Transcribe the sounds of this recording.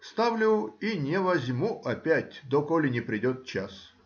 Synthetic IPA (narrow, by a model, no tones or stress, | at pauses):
st̪avlʲʊinʲɪvɐzʲmuʔɐpʲætʲd̪okolʲɪnʲɪpɾʲɪdʲot̪̚t͡ɕas